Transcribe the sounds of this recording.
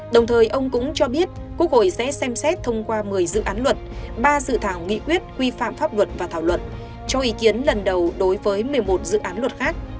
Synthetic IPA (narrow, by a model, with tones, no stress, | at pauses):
ɗə˨˩wŋ͡mt̪ʰəː˨˩jʔə˧wŋ͡mkʊ̰˧˥ŋ͡mt͡ɕɔ˧ɓi˦˥ət̚ku˦˥ək̚ho̰˧˨jsɛ̰˧˥sɛ˧msɛ˦˥t̚t̪ʰə˧wŋ͡mkwaː˧mɨ˨˩əjzɨ̰˧˨ʔaː˨˦nlwə˨˩t̚ɓaː˧sɨ̰˧˨t̪ʰaː˧˩wŋḭ˧˨kwi˦˥ət̚kwi˧fa̰ː˧˨mfaː˦˥p̚lwə˨˩t̚vaː˨˩t̪ʰaː˧˩wlwə̰˧˨n | t͡ɕɔ˧ʔi˨˦ki˨˦ənlə˨˩nɗə˨˩wɗo˨˦jvəː˨˦jmɨ˨˩əjmo˨˩t̚zɨ̰˧˨ʔaː˨˦nlwə˨˩t̚xaː˦˥k̚